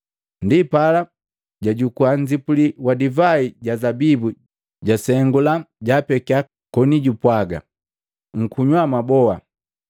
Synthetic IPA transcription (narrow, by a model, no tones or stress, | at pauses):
ndipala | ɟaɟukuaɲd͡ʒipuliwadivaiɟazabibu | ɟasɛŋɡulaɟapɛkia | kɔniɟupwaɡa̰ | ŋ̩kuɲwamabɔa